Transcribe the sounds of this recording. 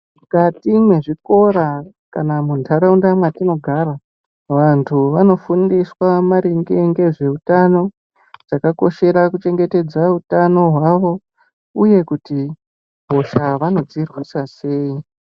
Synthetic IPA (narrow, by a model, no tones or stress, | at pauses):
mukatimwe̞ʐiko̞ɾa | kanamundʰʱaɾaundamwatino̞ɡʱara | ʋantʰuʋano̞fundiswamaɾeŋɡeŋɡe̞ʐe̞utano̞ | d͡zakako̞ʃe̞ɾakut͡ʃe̞ŋɡe̞te̞d͡zautano̞ɦwaʋo̞ | uje̞kuti | bʱo̞ʃaʋano̞d͡zirwisase̞ːi